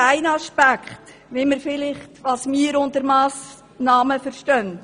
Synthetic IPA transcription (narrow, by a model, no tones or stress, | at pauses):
æɪnɑʃpækχt | ʋɪməɾfɪlɪχtʋɑːsmiːəɾʊndəɾmɑːs | nɑːməfəɾʃtœnt